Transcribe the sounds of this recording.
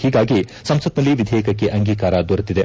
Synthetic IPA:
hiːɡaːɡisɐmsɐt̪nɐlːiʋid̪ʱɛːjkɐkːe̞ʔɐŋɡiːkaːɾɐd̪oːɾut̪ːid̪e̞

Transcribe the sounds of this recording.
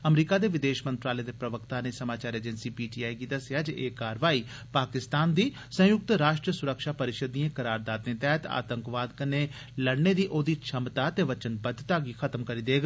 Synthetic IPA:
əmɾiːkaːd̪eːʋɪd̪eːʃmənt̪ɾaːleːd̪eːpɾəʋəkt̪aːneːsəmaːt͡ʃaːɾeːd͡ʒənsiːpiːʈiːaːiɡiːd̪əsɪjaːd͡ʒeʔeːkaːɾʋaːiː | paːkɪst̪aːnd̪iː | sə̃jʊk̚t̪ɾaːʃʈɾəsʊɾəkʃaːpəɾɪʃəd̪ĩãːkəɾaːɾd̪aːd̪neːt̪ɛːt̪a̰ːt̪əŋkʋaːd̪kəneː | ləɽneːd̪iːʔoːd̪iːt͡ʃʰəmt̪aːt̪eːʋət͡ʃənbəd͡ʒ̪t̪aːɡiːxʰət̪əmkəɾiːd̪eːɡ

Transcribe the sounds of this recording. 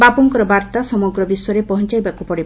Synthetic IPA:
bapɔŋkɔɾɔbaɾt̪asɔmɔɡɾɔbiswaɾepɔɦɔnt͡ʃajbakupɔɽib

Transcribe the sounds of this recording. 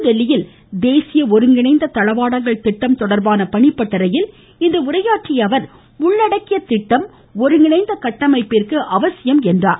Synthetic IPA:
ʋɛɭːɪjɪl | d̪eːsɪjɐɔɾɯŋɡɪɳɐɪnd̪ɐt̪ɐɻɐʋaːɽɐŋɡɐɭt̪ɪʈːɐmt̪ɔɽɐɾbaːnɐpɐɳɪpːɐʈːɐɾɐjɪl | ɪnd̪ɐʊrɐjaːʈrɪjɐʋɐɾ | ʊɳːɐɽɐkːɪjɐt̪ɪʈːɐm | ɔɾɯŋɡɪnɐɪnd̪ɐkɐʈːɐmɐɪpːeːrkɯʔɐʋɐsɪjɐmɛndraːɾ

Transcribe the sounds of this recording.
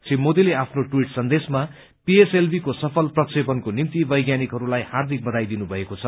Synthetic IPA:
t͡sʰimod̪ileapʰnoʈwiʈsʌnd̪esma | pieselbʱikosʌpʰʌlprʌksepʌnkonimt̪ibʌjɡjanikɦʌɾulajhard̪ʱik̚bʌd̪ajd̪inubʱʌekot͡sʰʌ

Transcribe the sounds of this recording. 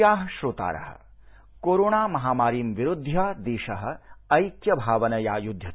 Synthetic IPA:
jaːɦɐʃɾoːt̪a̰ːɾɐ̰ɦɐ̰̆ | koːɾoːɳaːmɐɦaːmaːɾiːmʋiɾud̪ʱjaːd̪eːʃɐɦɐ̆ɐjkjɐbʱaːʋɐnɐjaːjud̪ʱjɐt̪

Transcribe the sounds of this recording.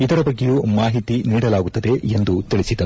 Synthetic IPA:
id̪ɐɾɐbɐɡːejuːmaːɦit̪iniːɽɐlaːɡut̪ːɐd̪e̞end̪ut̪iɭisid̪ɐnu

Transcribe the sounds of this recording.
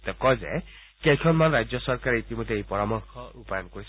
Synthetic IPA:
t̪ɔkɔzɛ̰ | kejkʰɔnmanɹajd͡ʒjɔsɔɹkaɹɛitimɔjd̪eejpɔɹamɔɹkʰɔupajɔnkoɹis

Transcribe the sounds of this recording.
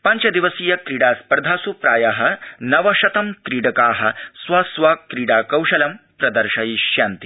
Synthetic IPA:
pɐɲt͡ʃɐd̪iʋɐsiːjɐkɾiːɽaːspɐɾd̪ʱaːsupɾaːjaɦɐ̆nɐʋɐʃɐt̪ɐmkɾiːɽɐkaːɦɐ̆sʋɐsʋaːkɾiːɽaːkɐwʂɐlɐmpɾɐd̪ɐɾʂɐjiʃjaːnt̪i

